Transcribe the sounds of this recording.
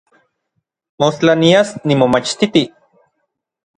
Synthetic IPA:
most͡ɬaniasnimomat͡ʃt̪it̪i

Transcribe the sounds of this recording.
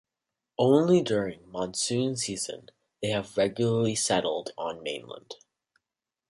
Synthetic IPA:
ʔõʊ̃nlidʊɹɪ̃ŋmɑ̃nsʉ̃nsizɨ̰̃n | ðeɪɨvɹɛɡjl̩ˠə˞lisɛɾl̩ˠdn̩mḛ̃ɪ̃nlə̰̃nd̥

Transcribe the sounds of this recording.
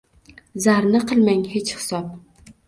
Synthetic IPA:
zaɾnɪqʰɨlˠmaŋhet͡ʃhɪ̥sɒp̚

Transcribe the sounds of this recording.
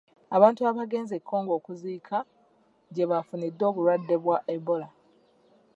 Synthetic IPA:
aβaːntuaβaɡe̞ːnze̞kʰːo̞ːŋɡo̞ːkuziːkʰa | ɟe̞βafunid̪ːo̞ːβuɾwadːe̞βwaʔebo̞la

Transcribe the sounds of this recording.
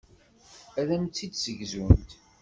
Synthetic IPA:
æðæmt͡s̪t͡sːid̪səʝzunt̪

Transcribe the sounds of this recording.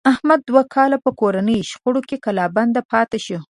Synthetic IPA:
ahmad̪̚ːwakʰɑlapəkoɾanəjʃxoɽokekalɑband̪apɑt̪eʃu

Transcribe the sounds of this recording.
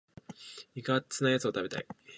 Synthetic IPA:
iɡat͡sɨnajat͡sɨo̞t̪abe̞t̪a̰i

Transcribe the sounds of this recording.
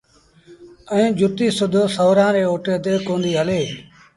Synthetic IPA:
əẽːd͡ʒʱʊt̪iːsʊd̪ʱoːsəːɾãːɾeːoːʈeːt̪eːkõːnd̪iːɦəleː

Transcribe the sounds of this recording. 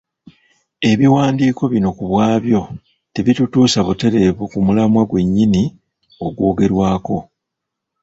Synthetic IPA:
e̞βiwaːndiːko̞βino̞kuβwaːβjo̞ | teβitutuːsaβute̞ɾe̞βukumulamwaɡwe̞ɲːini | o̞ɡwoːɡe̞ɾwaːko̞

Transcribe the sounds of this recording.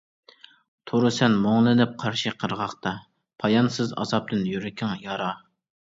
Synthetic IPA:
t̪ʰoɾɨsɛnmoŋlˠɨnɪp̚qʰɑɾʃiqʰəɾʁɑχt̪ɑ | pʰɑjɑnsɨzɑ̰zɑp̚t̪ɨnjyɾɪkʲʰɪŋjɑɾɑ

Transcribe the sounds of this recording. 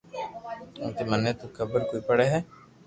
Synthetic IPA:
ʊ̰nt̪emənːet̪ukʰəbəɾkoːipəɽɛɦɛː

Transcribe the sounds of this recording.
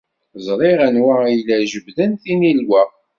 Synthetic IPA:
zˤɾˤɪʁænwæijlæʒəbðənθinilwæ

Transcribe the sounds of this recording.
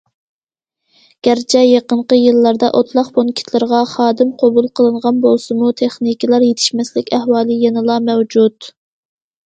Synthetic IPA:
ɡ̥ʲæɾt͡ʃʰɛjeqəɴqəjɨlˠːɑɾd̪ɑʔot̪ʰlˠɑqbonkʲʰi̥t̪ʰlɪɾʁɑχɑːd̪ɪmqʰobulˠqʰəlˠɨɴʁɑnbolˠsɨmut̪ʰeχnikʲʰilˠɑɾjet̪ʰɪ̥ʃmɛslɪkʲæhwɑːlˠɨjenɨlˠɑmɛwd͡ʒud̪

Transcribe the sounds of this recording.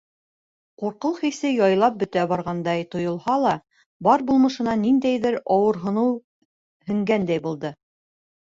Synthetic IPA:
quɾqɤlˠχisɘjɑjlˠɑp̚bɵ̆t̪æbɑɾʁɑnd̪ɑjt̪ŏjŏlˠhɑlˠɑ | bɑɾbulˠmɤ̆ʃɤ̆nɑnind̪æjðɘɾɑwɤ̆ɾɦŏnɤw | hɘ̆ŋɡænd̪æjbulˠd̪ɤ

